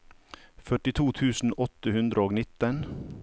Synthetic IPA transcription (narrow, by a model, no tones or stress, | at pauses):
fœʈɪt̪ʰuːt̪ʰʉːsn̩ɔt̪əhʉnd̪ɾəoːɡnɪt̪ən